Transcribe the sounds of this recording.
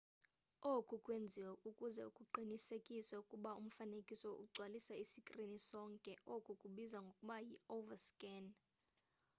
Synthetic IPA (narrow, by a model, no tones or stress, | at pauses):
okʼukʼwend͡zʱiwɛukʼuzɛukʼuǃʱinisekʼiswaukʼuɓaum̩fanekʼisɔʔuɡ͡ǀʱwalisaisikʼrinisɔːŋkʼɛʔokʼukʼuɓizwaŋɡʱokʼuɓajiovaskʼɛn